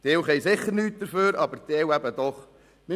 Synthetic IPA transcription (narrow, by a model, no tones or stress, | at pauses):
d̥eːwχɛjsɪχːəɾnyːt̚d̥əɾføːɾɑbəɾd̥̪ewæbəd̥̪ɔχ | nɪ